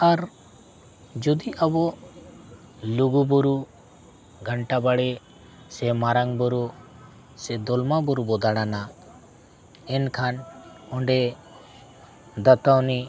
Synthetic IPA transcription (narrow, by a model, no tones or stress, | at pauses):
aɾ | d͡ʒɔd̪iʔabɔʔ | luɡubuɾu | ɡʱəɳʈabaɽɛ | sɛmaɾaŋbɔɾu | sɛd̪ɔlmabɔɾubɔd̪aɽana | ɛnkʰan | ɔɳɖɛ | d̪at̪awni